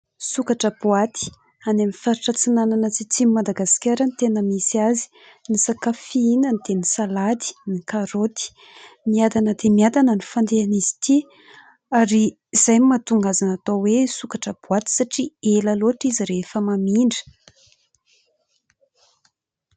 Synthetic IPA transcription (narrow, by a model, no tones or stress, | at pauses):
sukaʈ͡ʂəbuat̪i̥ | anamifaɾiʈ͡ʂət͡sinananat͡sit͡simimad̪aɡaskʲaɾənit̪enəmisazi̥ | nisakafiinənit̪enisalad̪i̥nikaɾot̪i̥ | miad̪anəd̪emiad̪anənifand̪eanizi̥t̪i | aɾiː | z̥ajmimat̪uŋɡazanat̪awesukaʈ͡ʂəb̥uat̪i̥saʈ͡ʂielaloaʈ͡ʂiziɾefəmamiɳɖ͡ʐə̥